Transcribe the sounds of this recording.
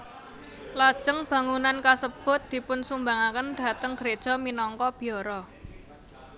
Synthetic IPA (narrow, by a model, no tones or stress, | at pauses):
lad̥ʒ̥əŋb̥a̤ŋunankasəb̥ʊ̤t̪̚d̪̥i̤pʊnsumbaŋakənd̪̥a̤t̪əŋɡ̥əɾed̥ʒ̥ɔ̤minɔŋkɔb̥i̤ɔɾɔ